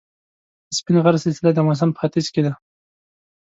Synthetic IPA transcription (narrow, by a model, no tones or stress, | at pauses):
əspinʁaɾsɪlsɪlad̪əmas̬ampə̥xat̪izked̪a